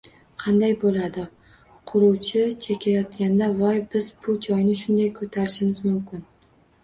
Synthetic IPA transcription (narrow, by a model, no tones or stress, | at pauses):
qʰɑnd̪ajbolad̪ɪ | qʰʊɾuwt͡ʃʰɪt͡ʃʰekʲʰajɒt̪̚kʲand̪avɒjbɪzbʊd͡ʒɒjnɪʃʊnd̪ajkʰot̪ʰaɾɪʃɪmɪzmʊmkʲʰɪn